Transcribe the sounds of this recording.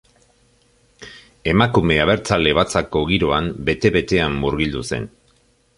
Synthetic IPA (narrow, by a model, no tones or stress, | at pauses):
e̞makume̞aβ̞e̞ɾt͡sale̞β̞at͡sako̞ɣiɾo̞ambe̞t̪e̞βe̞t̪e̞amːuɾɣild̪use̞̰n